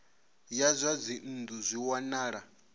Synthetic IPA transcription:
jazʷad͡zin̩nd̪uzʷiwanaːɺa

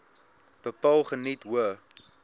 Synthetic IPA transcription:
b̥əpɑlˠχənitwuə

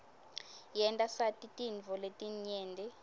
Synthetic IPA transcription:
jɛntʼasatʼitʼinvʱɔletʼiɲɛːndʱɛ

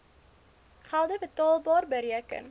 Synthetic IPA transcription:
χælˠdəbətɑːlˠbɑːrbəɾiəkə̰n

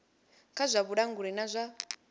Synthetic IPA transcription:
kʰazʷaβuɗaŋɡuɺɛnazʷa

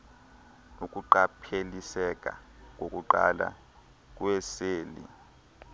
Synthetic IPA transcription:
ukʼuǃapʰelisɛk̬ʼa̰k̬ʼokʼuǃa̰la̰ | k̬ʼwɛseːlḭ

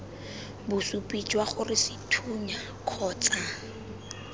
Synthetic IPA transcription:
bʊsupʼid͡ʒʼwaχʊrɪsɪtʰuɲa | kʰɔːt͡sʼa

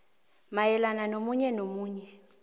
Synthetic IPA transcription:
majɛlananomuɲɛnomuːɲɛ

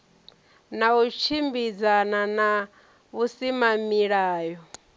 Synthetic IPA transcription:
naut͡ʃʰimbid͡zanana | βusimamiɺaːjɔ

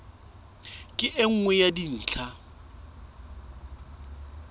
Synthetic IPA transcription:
kʼɪʔɪŋ̩ŋwɛjadin̩ːt͡ɬʰa

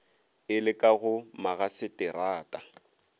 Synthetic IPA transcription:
ɪlɪkʼaɣʊmaɣasɪtʼɪɾaːtʼa

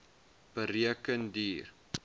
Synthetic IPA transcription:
b̥əɾiəkəndiːr

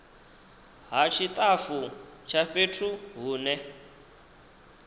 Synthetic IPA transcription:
ɦat͡ʃʰit̪ʼafut͡ʃʰaɸetʰuɦuːnɛ

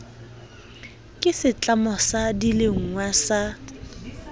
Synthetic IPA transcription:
kʼɪsɪt͡ɬʼamɔsadileŋ̩ŋwasa

